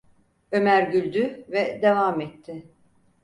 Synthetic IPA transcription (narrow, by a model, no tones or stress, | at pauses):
ø̞mæɾɟylʲd̪yvɛd̪evaːmɛt̪ʰːɪ